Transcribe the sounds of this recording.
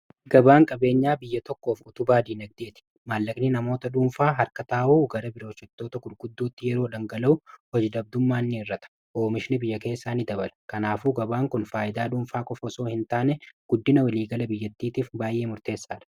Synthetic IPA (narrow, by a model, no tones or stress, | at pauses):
ɡɐbaːŋkʼɐbe̞ːɲːaːbɪjːɐt̪ɔkːo̞ːfʊt̪ʊbaːd̪iːnɐɡ̚d̪e̞ːt̪ɪ̥ | maːlːɐkʼnɪnɐmo̞ːt̪ɐᶑuːmfaːɦɐɾkɐt̪aːʔuːɡɐɾɐbɪɾo̞ːʃɛt̪ːo̞ːt̪ɐɡʊɾɡʊd̪ːoːt̪ːɪjɛɾoːᶑɐŋɡɐlɐʊhɔd͡ʒd̪ɐb̚d̪ʊmːaːnːɪɪrːɐt̪ɐ̥ | ʔoːmɪʃɪnɪbɪjːɐke̞ːsːaːnɪd̪ɐbɐlɐkɐnaːfuːɡɐbaːŋkʊnfaːʔɪd̪aːᶑuːmfaːkʼɔfɔso̞ːhɪnt̪aːnɛɡ̥ʊd̪ːɪnɐwɐliːɡɐlɐbɪjːɐt̪ːiːt̪iːfbaːjʔe̞ːmʊɾt̪e̞ːsːaːᶑɐ̥